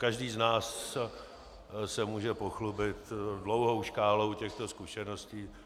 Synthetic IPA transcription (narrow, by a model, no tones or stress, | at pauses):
kaʒdiːznaːs | sɛmuːʒɛpoxlubɪt̪dlo̞wɦowʃkaːlowcɛxt̪o̞skuʃɛnosciː